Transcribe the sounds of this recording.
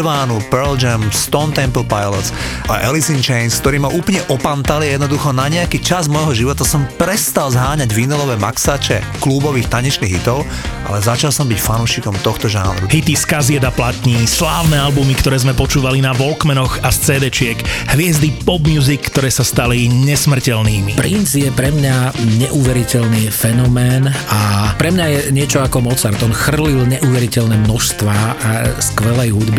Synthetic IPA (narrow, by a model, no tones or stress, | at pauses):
ʋaːnupɛɾld͡ʒɛmst̪ɔnt̪ɛmpl̩pajlɔsʔa̰ʔɛ̰lisint͡ʃɛɪnskt̪ɔɾiːmaʔuːplɲɛʔɔpant̪alijɛd̪nɔd̪uxɔnaɲɛakiːt͡ʃazmɔjɦɔʒiʋɔt̪asɔmpɾɛst̪alzɦaːɲaɟvinɛlɔʋɛːma̰ksaːt͡ʃɛ̰ | klubɔʋiːxt̪aɲɛt͡ʃniɣɦit̪ɔʊ | ʔa̰lɛzat͡ʃalsɔmbicfanuːʃikɔmt̪ɔxt̪ɔʒa̰ːnɾuɦit̪iskazɪɛd̪aplat̪ɲislaːʊnɛːalbumikt̪ɔɾɛːzmɛpɔt͡ʃuːʋalinaʋɔlkmɛnɔɣast͡sɛːd̪ɛt͡ʃɪɛkhʋɪɛzd̪ipɔbmɪuːzikːt̪ɔɾɛːsast̪aliɲɛsmr̩cɛlniːmipɾinzjɛpɾɛmɲaɲɛʔuːʋɛɾicɛlnifɛnɔmɛːnapɾɛmɲajɛɲɪɛt͡ʃɔakɔmɔt͡saɾt̪ɔnxr̩lilɲɛʔuːʋɛɾicɛlnɛmnɔʃst̪ʋaːaskʋɛlɛjɦud̪bi